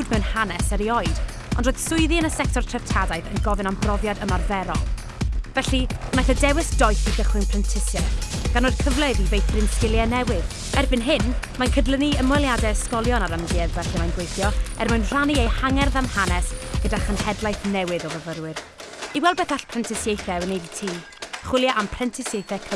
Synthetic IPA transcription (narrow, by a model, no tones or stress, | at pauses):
wdmɛwnhanɛsəɾiɔɨd | ɔ̰ndroːjð̥sʊɨðiənəsɛk̚tʰɔrtʰr̥ɛv̥tʰadaɨθə̰nɡɔvɨnambrɔvjadəmarvɛɾɔ̰lˠ | vɛɬinajθədɛwɪsd̥ɔjθiɡəχwɪnpʰrəntʰɪsjɛɡ̥anːoːdkʰəvlˠəðivejθrɪnθɪlˠjɛnɛwɪð | ɛrbɪnɦɪnmankʰədlˠəniəmwɔjlˠjadɛskɔlˠjɔnaɾəmɡɪːðvɛɬɛmanɡwejθjɔɛrmanr̥aniejhaŋɛrðamhanɛsɡ̥ədaχənhɛdlˠajθnɛwɪðɔvəvəɾwɨr | iwɛlˠbɛθaɬpʰrɛntʰɪsjejθɛənejditʰiː | χwɪlˠjaʔampʰrɛntʰɪsjejθɛkʰə